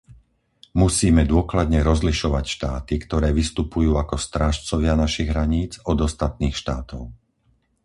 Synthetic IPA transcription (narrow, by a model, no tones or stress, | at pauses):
musiːmɛd̪ʊɔklad̪ɲɛɾɔzliʃɔʋacʃt̪aːt̪ikt̪ɔɾɛːʋist̪upujuːakɔst̪ɾaːʃt͡sɔʋɪanaʃiɣɦɾaɲiːd͡zɔd̪ɔst̪at̪niːxʃt̪aːt̪ɔʊ